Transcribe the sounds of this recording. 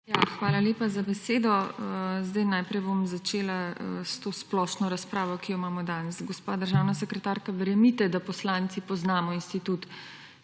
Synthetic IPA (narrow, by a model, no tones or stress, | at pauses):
jaxʋaːlalʲeːpazabɛseːd̪ɔzd̪ajnajpɾɛjbomzat͡ʃeːlast̪oːsplɔʃnɔɾaspɾaːʋɔkijɔimaːmɔd̪anɛsɡɔspad̪əɾʒawnasɛkɾɛt̪aːɾkaʋɛɾɛmit̪ɛd̪apɔslant̪sipɔznaːmɔinst̪it̪ut̪